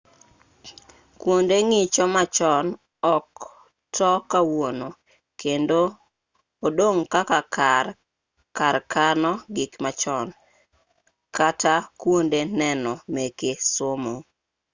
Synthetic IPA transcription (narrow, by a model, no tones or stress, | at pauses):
kwondeŋɪt͡ʃɔmat͡ʃɔn | ɔk | tʰɔkawono | kendo | odoŋkaka | kaɾkanɔɡɪkmat͡ʃɔn | katakwondenɛnɔmekesomo